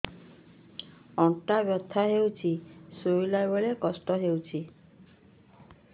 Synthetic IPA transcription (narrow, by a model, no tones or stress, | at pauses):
ɔŋʈabjɔt̪ʰːaɦewt͡ʃʰisoilajbɔɭekɔsʈɔɦewt͡ʃʰi